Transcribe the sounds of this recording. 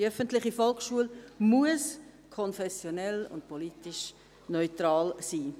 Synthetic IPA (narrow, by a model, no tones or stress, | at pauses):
œfəntlɪχifɔlkʃuəlmuəs | kʰɔnfɛsjonɛlʊ̰nt̚pɔliːtɪʃ | nɔʏtɾɑːlsiː